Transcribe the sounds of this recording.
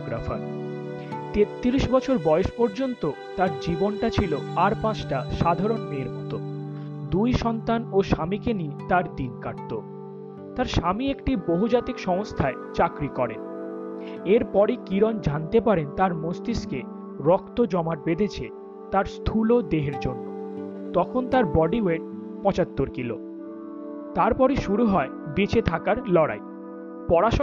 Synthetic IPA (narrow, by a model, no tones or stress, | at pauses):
ɡɾa̰fa̰ɾ | t̪et̪ːiɾiʃbɔt͡ɕʰoɾbɔeoʃpoɾd͡ʑont̪o | t̪aɾd͡ʑibonʈat͡ɕʰiloaɾpãt͡ɕʈaʃad̪ʱaɾonmeɾbut̪o | d̪ujʃɔnt̪anoʃamikeniet̪aɾd̪inkaʈ̚t̪o | t̪aɾʃamiekʈiboɦud͡ʑat̪ikʃɔmost̪ʰaet͡ɕakɾikɔɾḛn | eɾpɔɾikiɾɔnd͡ʑant̪epaɾent̪aɾmost̪iske | ɾɔkt̪od͡ʑɔmaɾbed̪ʱet͡ɕʰe | t̪aɾst̪ʰulod̪eɦeɾd͡ʑonːo | t̪ɔkʰont̪aɾbɔɖiweɖ̚ | pɔt͡ɕat̪ːoɾkilo̰ | t̪aɾpɔɾiʃuɾuɦɔe | bit͡ɕet̪ʰakaɾlɔɽa̰i | pɔɾaʃ